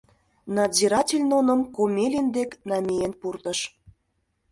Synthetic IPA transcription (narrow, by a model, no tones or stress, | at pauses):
nɑziɾɑtʲelʲnonə̆mkomʲelʲind̪eknɑmʲejenpurt̪ə̆ʃ